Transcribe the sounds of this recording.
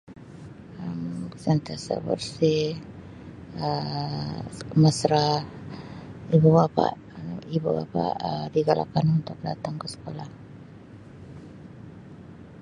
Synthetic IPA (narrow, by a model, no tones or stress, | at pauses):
əmsənt̪asə̰bə̰rsi | ə | məsɾah | ibubapa̰ʔ | ibuba̰pa̰ʔədiɡala̰kanunt̪ʊk̚dat̪aŋkəsə̥kolah